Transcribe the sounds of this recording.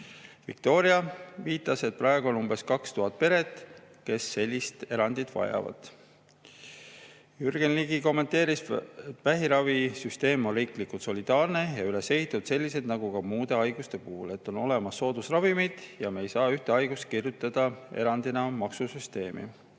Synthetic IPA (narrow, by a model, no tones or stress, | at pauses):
vḭk̚t̪o̞ːɾiɑviːt̪ːˑɑse̞t̪̚prʔɑeɡuo̞numbe̞skɑkst̪uɦɑt̪̚ːˑpe̞ɾe̞t̪ːˑke̞sːe̞lʲːist̪e̞ɾɑnd̪̥id̪̥vɑ̰jɑ̰vɑ̰d̪̥ | yrɡ̥enliːɡiko̞mːent̪e̞ːɾiset̪væɦiɾɑvisyst̪e̞ːmo̞nriːklikːut̪so̞lʲid̪̥ɑːrne̞jɑyle̞se̞ɦit̪ːˑud̪̥se̞lʲːise̞d̪nɑɡ̥uɡɑmuːd̪̥e̞ɑjɡ̥ust̪e̞puhule̞t̪ːˑo̞no̞le̞mɑsːo̞ːd̪̥usrɑvimid̪̥jɑmejsɑːyht̪eɑjɡust̪̚kirjut̪ːˑɑd̪̥ɑe̞̰ɾɑnd̪̥inɑmɑksusyst̪e̞ːmḭ